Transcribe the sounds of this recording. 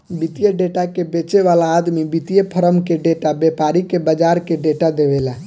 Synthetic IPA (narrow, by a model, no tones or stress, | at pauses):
bit̪ijeɖeʈakebet͡ʃeʋalaːd̪mibit̪ijepʰəɾəmkeɖeʈabepaɾikebəd͡ʒaɾkeɖeʈad̪eβela